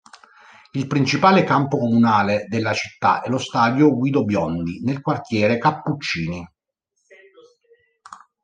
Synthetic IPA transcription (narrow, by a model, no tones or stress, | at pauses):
ilpɾint͡ʃipaːlekampokomunaːled̪elːat͡ʃi̥t̪ːa̰ʔɛlost̪aːd̪joɡwiːd̪objɔnd̪inelkwart̪jɛːɾekapːut͡ʃːiːni